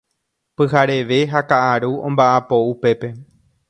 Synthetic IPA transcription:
pɨɦaɾe̞ʋe̞ɦakaʔaɾuõmbaʔapo̞upe̞pe̞

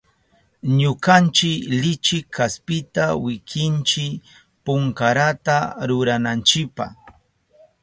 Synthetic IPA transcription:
ɲʊkant͡ʃɪklɪt͡ʃɪkʰːaspɪt̪awɪkʰɪnt͡ʃɪ | pʊŋkaɾat̪aɾʊɾanant͡ʃɪpa̰

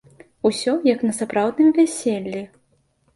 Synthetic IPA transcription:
usʲɔjɐknɐsapɾawd̪nɨmvʲɛsʲelʲːi

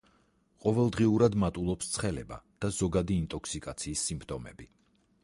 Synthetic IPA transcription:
qʼɔvɛlˠd̪ʁiuɾad̪mat̪ʼulˠɔpst̪sʰχɛlɛba̰d̪̥azɔɡad̪iːnt̪ʼɔkʰsikʼat̪sʰiːsːimpʰt̪ʼɔmɛ̰b̥i

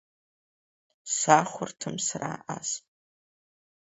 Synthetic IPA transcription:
saχʷʊrtʰɨmsaraʔasʼ

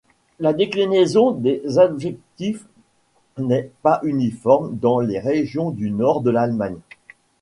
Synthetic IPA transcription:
lad̪eklinezɔ̃d̪ezɔbʒɛk̚t̪if | nɛpaʔynifɔʁmd̪ɑ̃leʁeʒjɔ̃d̪ynɔʁd̪əlalmaɲ

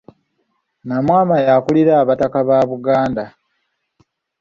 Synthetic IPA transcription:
namwaːmajakuliɾaːβatakaβaːβuɡaːnda

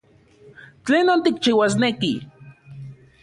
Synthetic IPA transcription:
t͡ɬeːnoːnt̪ikt͡ʃiwas̬neki

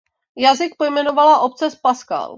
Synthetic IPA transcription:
jazɪk̚pojmɛnovalaʔo̞p̚t͡sɛspaska̰l

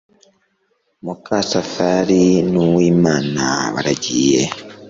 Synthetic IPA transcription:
mukasafaɾinuwiːmaːnaβa̰ɾaɟiːje

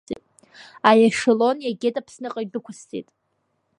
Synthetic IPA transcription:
tʼ | ajaʂɪlo̞njaɡʲetʼapʰsnɨqʼaidʊkʷʰʊst͡sʰʼḭtʼ

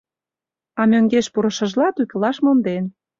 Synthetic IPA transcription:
ɑmʲøŋɡeʃpuɾə̆ʃə̆ʒlɑt̪ukə̆lɑʃmond̪en

